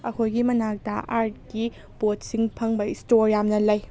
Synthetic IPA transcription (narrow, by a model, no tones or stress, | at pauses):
ɐkʰojɡimɐnak̚dɐ̰ʔaɾt̚ki | bot̚siŋpʰɐŋbɐistoɾjamnɐlɐj